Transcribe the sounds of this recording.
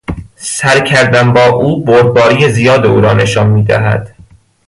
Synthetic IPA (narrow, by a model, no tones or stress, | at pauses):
sæɾcʰæɾd̪æmbɒːʔuːboɾ̚bɒːɾijezijɒːd̪eṵːɾɒːne̞ʃɒːnmiːd̪æ̰ɦæ̰d̪̥